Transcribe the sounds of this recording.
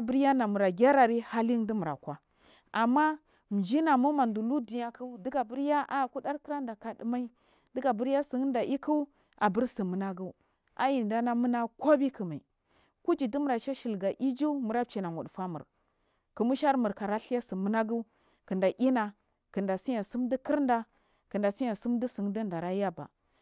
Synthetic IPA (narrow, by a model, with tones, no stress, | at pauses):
bə˦ɾja˦na˨mu˨ɾa˨ɡʲa˦ɾa˨ɾi˦ha˦li˦di˦mu˨ɾa̰˨kʷa˨ | a˨mːa˦ | m˨d͡ʒi˦na˨mu˦ma˨ndu˨lu˦di˨ja˦ku˦di˦ɡa˨bə˦ɾja˦a˦˨ku˦da˦ɾkə˦ɾa˦nda˨ka˨də˨ma˦i˦ | də˦ɡa˨bə˦ɾja˦si˨ŋ˦nda˨ʔi˦ku˦w | a̰˨bə˦ɾsi˨mə˨na˦ɡu˦u˦ | a˦ji˨nda˦na˦mu˦na˦ko˦bi˦kə˨ma˨ḭ˨ | ku˦d͡ʒi˨di˦m˨ɾa˨ʃa˦ʃi˨lɡa˨ʔi˦d͡ʒu˦mu˨ɾa˦b̚t͡ʃi˨na˨ŋṵ˨ɗfa˦mṵ˨ɾ | kə˨mu˦ʃa˦ɾmu˨ɾka˨ɾa˦ɬi˦ja˦si˨mu˦na˦ɡu˦ | kə˨nda˨ʔi˦na˨ | kə˨nda˨si˦ja˨si˦mdi˦ki˦ɾnda˨ | kə˨nda˨si˦ja˨si˦mdi˦si˨ŋ˦də˦nda˨ɾa˦ja˦ba̰˨